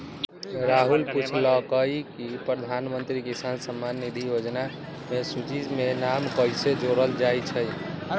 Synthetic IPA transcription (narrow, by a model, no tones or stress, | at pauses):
ɾaɦulput͡ʃʰləkəjkipɾəd̪ʱanmənt̪ɾikisansəmːanːid̪ʱijod͡ʒna | mesut͡ʃid͡ʒmenamkəjsed͡ʒoɾəld͡ʒajt͡ʃʰəj